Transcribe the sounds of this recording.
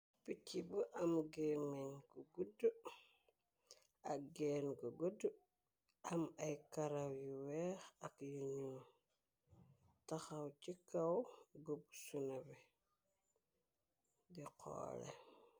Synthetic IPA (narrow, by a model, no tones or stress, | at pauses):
pit͡ʃːibuʔamɡemenɡuɡudu | aɡenɡuɡudːu | amajkaɾawjiwɛxakjuɲum | taxawt͡ʃikːawɡubsunabi | diqʰo̰ːlḛ